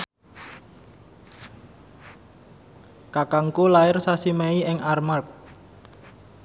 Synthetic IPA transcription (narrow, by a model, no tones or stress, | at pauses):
kakaŋkulaɪrsasimɛiɪŋarmark̚